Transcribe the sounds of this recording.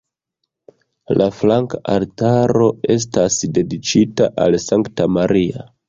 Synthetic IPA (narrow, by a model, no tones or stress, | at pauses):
lʔaflaŋkaʔaltaɾo̞e̞s̬tasde̞dit͡ʃitaʔalsaŋktamaɾia